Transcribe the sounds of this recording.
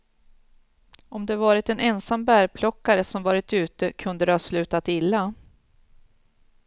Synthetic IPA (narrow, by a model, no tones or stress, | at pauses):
ɔmd̪ɛvɑːɾɪt̪ɛnɛnsambæːɾpʰlɔkːaɾəsɔmvɑːɾɪt̪ʉ̟ːt̪əkʰɵnd̪əd̪hɑːslʉ̟ːt̪at̪ɪlːa